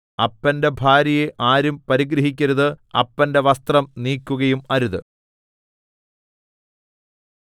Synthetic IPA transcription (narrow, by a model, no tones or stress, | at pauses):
ɐpːɐnde̞bʱaːɾijeʔaːɾumpɐɾiɡɾɐɦik̬ʲːɐɾuðɨɐ̰pːɐnde̞ʋɐst̪rɐmniːkːuɣɐjumɐɾuðɨ